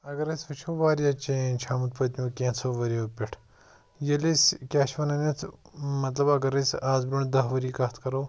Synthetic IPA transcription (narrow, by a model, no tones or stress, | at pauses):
ɐɡɐɾɐsʲfɐt͡ʃʰoːʋaːɾijat͡ʃent͡ʃʰaːmut̪̚pɐt̪ʲmʲũːkʲẽːnt͡sʰoːʋɐɾijoːpʲiʈʰ | jɐliskʲaːʃʋɐnɐnɐt͡s̪ʰmɐt̪lɐbɐɡɐɾɐsʲaːzbuɳd̪ɐɦʋɐɾiːkɐt̪ʰkɐɾoː